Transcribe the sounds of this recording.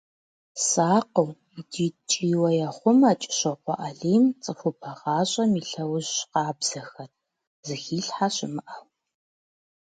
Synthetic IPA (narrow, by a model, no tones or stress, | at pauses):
saːqəw | idiːt͡ʃʼiːwɐjaχʷʊmaːt͡ʃʼɪ̥ɕɐqʷɔ̰ʔɐɮeːjmt͡sʼɨxʷʊpʰɐʁɑːɕʼɐmiːɬɐwʊʑɕqɑːbz̥ɐxɐr | zɨxiːɬħaɕɪmɨʔɐw